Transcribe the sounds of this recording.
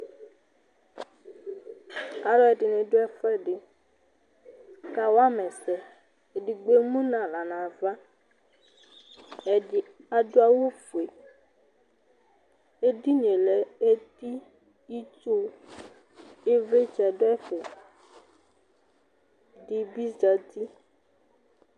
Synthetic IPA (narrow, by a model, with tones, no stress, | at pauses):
a˨lɔ˦ɛ˨di˨nẽ˨ɖo˦ɛ˦fɛ˦ɖɪ˨ | ka˨wa˦mɛ˨sɛ˨ | e˨ɖi˨ɡ͡be˦mũ˦nã˨la˨nã˨va˦˨ | a˨do˦a˦wo˦fu˨e˨ | e˦di˦ɲẽ˨lɛ˨e˦t̪i˦ | i˦t͡ʃo˦ | e˦ve˦t͡ʃɛ˨do˦ɛ˦fe˨ | dɪ˦bi˦za˨t̪i˦